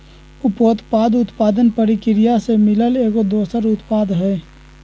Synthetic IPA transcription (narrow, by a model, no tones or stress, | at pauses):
ʊpoːt̪paːd̪ʊt̪paːd̪ənpəɾikɪɾɪjasemɪləleːkod̪oːsəɾʊt̪paːd̪ɦɛː